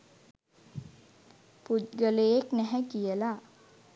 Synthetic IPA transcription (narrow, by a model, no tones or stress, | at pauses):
put̪ɡəleeknɛɦɛkijəla